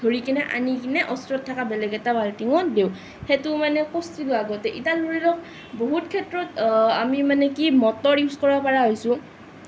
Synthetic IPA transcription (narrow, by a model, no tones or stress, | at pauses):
dʱoɹikinɛʔa̰nikinɛʔɔstɹɔtʰːakabɛlɛɡɛtabaltiŋɔdew | hɛtʊmanɛkɔstiloaɡɔtɛʔitaloɹilɔk | boɦutkʰɛtɹɔtamimanɛkimɔtɔɹjuskɔɹɔpaɹaɦojsʊ̃